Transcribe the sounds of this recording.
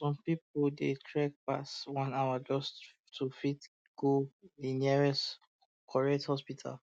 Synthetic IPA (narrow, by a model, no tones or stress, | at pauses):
sɔ̃mpipoldetʰɹɛk̚pa̰swɔ̃nawad͡ʒɔs | tʰufit | ɡ̥odiniɛɹɛs | kʰɔɹiɛthɔspitʰa̰l